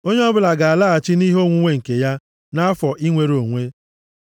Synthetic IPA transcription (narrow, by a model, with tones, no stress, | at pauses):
o˦ɲe˦ɔ˦bʊ˨la˨ɡa˨a˨la˦a˨t͡ʃɪ˦ni˦ɦo˦ŋʷu˦ŋʷe˦˨ŋ̩˨ke˨ja˦ | na˦a˦fɔ˨ʔi˦ŋʷe˨ɾo˨ŋʷe˦